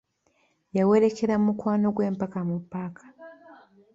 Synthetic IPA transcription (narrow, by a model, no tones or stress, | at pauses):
jawe̞ɾe̞ke̞ɾamukwaːno̞ɡwe̞ːmpakamupːakʰḁ